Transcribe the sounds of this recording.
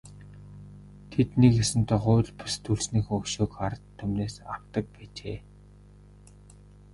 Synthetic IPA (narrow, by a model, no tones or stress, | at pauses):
t̪ʰet̪nikesɘ̆nt̪ʰɔχʊːɮpʊ̥st̪ʰuɮsniːxɵkʃoːkχaɾə̆t̪ʰːɵmneːsa̰w̥t̪ə̆k̚pæːt͡ɕeː